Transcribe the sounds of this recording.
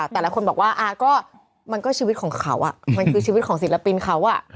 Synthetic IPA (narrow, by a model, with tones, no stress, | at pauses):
a˩t̪ɛː˨˩laː˨˦˥kʰo˧nbɔ˨˩k̚waː˥˩ʔaː˧˩kɔː˥˩ | ma˧nkɔː˥˩t͡ɕʰiː˧w̪̚kʰːŋkʰa˦˥wʔa̰˨˩ʔma˧nkʰɯː˧t͡ɕʰiː˧wi˦˥t̪̚kʰːsi˨˩˦la˧pi˧nkʰa˦˥wʔa˨˩ʔ